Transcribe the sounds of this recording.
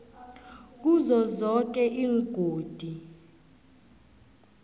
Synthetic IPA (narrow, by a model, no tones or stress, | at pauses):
k̬uzɔzɔk̬ɛʔiːŋɡ̥ʱoːd̥ʱi